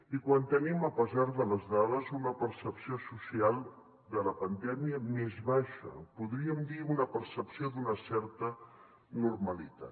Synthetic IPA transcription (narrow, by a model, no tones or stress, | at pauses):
ikwant̪əniməpəzaɾðələzðaðəzunəpəɾsəpsiosusialˠ | d̪ələpənd̪ɛmiəmezβaʃə̰puðɾiəmd̪iunəpəɾsəpsiod̪unəsɛɾt̪ə | nurməlit̪a̰t̪